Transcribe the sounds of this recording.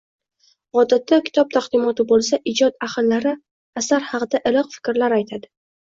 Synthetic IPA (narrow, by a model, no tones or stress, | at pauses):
ɒd̪at̪ːakʲʰɪ̥t̪ʰɒp̚t̪ʰaqd̪ɪmɒt̪ɪbolˠsaʔɪd͡ʒɒt̪aχɨllaɾɪ | asaɾhɑqɨd̪aʔɪlɒqfɪ̥kʲɾlaɾajt̪ʰad̪ɪ